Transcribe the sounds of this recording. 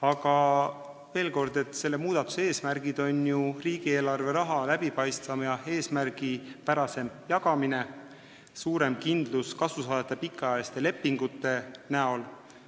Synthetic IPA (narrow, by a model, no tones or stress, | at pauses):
ɑɡ̥ɑ | ve̞ːlko̞rd̪̥e̞t̪ːˑse̞lːe̞muːd̪̥ɑt̪ːˑu̥se̞ːsmærɡ̥id̪̥o̞njuriːɡ̥ie̞ːlɑrve̞ɾɑɦɑlæb̥ipɑjst̪vɑmjɑe̞ːsmærɡ̥ipæɾɑse̞mjɑɡɑmine̞ | suːɾe̞mkind̪luskɑsusɑːd̪et̪ːˑepikːˑɑɑest̪e̞le̞pːiŋɡ̥ut̪ːˑe̞næo̞l